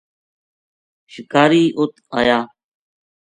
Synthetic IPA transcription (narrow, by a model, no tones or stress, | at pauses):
ʃɪkaːɾiːʔʊt̪aːjaː